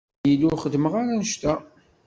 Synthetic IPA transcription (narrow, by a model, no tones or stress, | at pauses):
jiluχəd̪məʁaɾænəʃt̪æ